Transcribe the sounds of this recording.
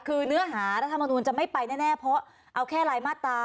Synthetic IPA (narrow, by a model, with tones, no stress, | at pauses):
kʰɯː˧nɯ˦˥ɐɦaː˩˦ɾa˦˥t̪ʰːa˧mːa˧nuː˧nt͡ɕa˨˩ma˥˩jpa˧jnɛː˥˩nɛː˥˩pʰɔ˦˥ | ʔa˧wkʰɛː˥˩laː˧jmaː˥˩t̪ːaː˧